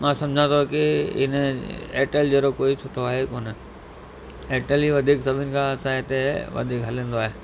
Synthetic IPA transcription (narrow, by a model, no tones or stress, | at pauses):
mãːsɐ̃md͡ʑʱãt̪ʰokɪɪ̰neːʈəld͡ʑeːɾokoːisʊʈʰoaːɦekoːnə | eːʈəliʋɐd̪ʱiːksɐbʱɪnɪ̆kʰãːɐsãɪt̪eʋɐ̰d̪ʱiːkɦɐlẽːn̆d̪oaːɦe